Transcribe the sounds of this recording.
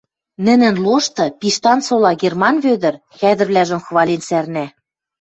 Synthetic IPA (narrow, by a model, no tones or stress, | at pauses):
nɘ̆nɘ̆nloʃt̪ɤ̆piʃt̪ɑnsolɑɣermɑnβød̪ɘ̆r | xæd̪ɘ̆rβlæʒə̆mxβɑlʲinsærnæ